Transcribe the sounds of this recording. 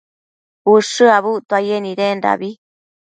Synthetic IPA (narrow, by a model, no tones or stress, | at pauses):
uʂɨaβut̪uajenĩɾenɾa̰βi